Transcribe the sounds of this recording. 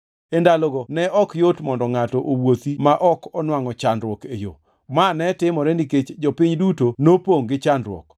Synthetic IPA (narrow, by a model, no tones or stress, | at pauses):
endalɔɡonɛʔɔkjotmɔndɔŋatɔʔowot̪imaʔɔkɔnwaŋɔt͡ʃandɾwɔkḛjo̰ | manɛtɪmɔɾɛniket͡ʃd͡ʒɔpɪɲdutonopoŋɡɪt͡ʃandɾwɔ̰k